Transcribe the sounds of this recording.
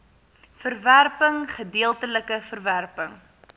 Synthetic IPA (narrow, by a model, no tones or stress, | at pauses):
fərværpəŋχədiəlˠtələkəfərværpəŋ